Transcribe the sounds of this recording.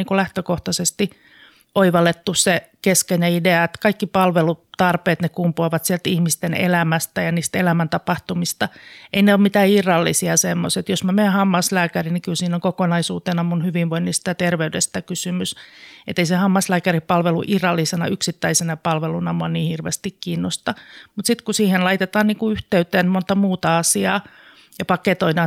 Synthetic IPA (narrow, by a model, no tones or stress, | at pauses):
iŋkulæht̪økoht̪ɑsest̪i | ʔoiʋɑlet̪ːussekeskenæideɑet̪kɑikːipɑlʋelut̪ɑrpeːt̪nekumpuɑʋɑt̪siælt̪ihmist̪enḛlæmæst̪æjɑniːst̪elæmænt̪ɑpɑht̪umist̪ɑeineoːmmit̪æːirːɑlːisiɑsemːo̰set̪josmæmeːhɑmːɑslæːkærinikylsiːnoŋkokonɑisuːt̪enɑmunhyʋiʋʋoinːist̪æt̪erʋeydest̪ækysymysḛt̪ːeisehɑmːɑslæːkæripɑlʋelṵʔirɑlːisenɑ̰yksit̪ːæisenɑpɑlʋelunɑmuɑniːhirʋḛst̪ikkiːnːost̪ɑmut̪sit̪kusiːhenlɑit̪et̪ɑːnniːŋkuyht̪eyt̪ːˑeːnmont̪ɑmuːt̪ɑɑsiɑː | jɑpɑket̪oidɑː